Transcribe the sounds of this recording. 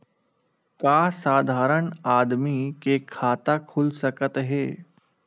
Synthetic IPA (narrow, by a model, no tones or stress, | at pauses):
kaːsaːd̪ʱaːɾəɳaːd̪mikekʰaːt̪akʰʊlsɐkət̪ɦɛː